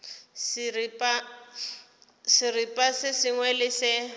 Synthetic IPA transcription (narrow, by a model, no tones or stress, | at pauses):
sɪripʼa | sɪripʼasɪsɪŋwɛlɪsɪ